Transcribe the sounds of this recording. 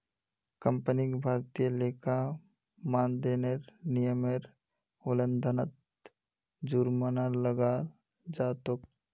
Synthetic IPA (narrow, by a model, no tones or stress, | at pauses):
kə̃mpənikbʱaːɾt̪ijəleːka | maːnd̪eneɾnijəmeɾ | olənd̪ʱənət̪̚ | d͡ʒuɾmənaləɡaːl | d͡ʒaːt̪ok